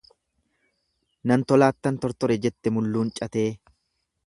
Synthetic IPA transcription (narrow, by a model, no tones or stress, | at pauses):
nɐnt̪ɔlaːt̪ːɐnt̪ɔɾt̪ɔɾɛd͡ʒɛt̪ːɛmʊlːuːnt͡ʃʼɐt̪e̞ː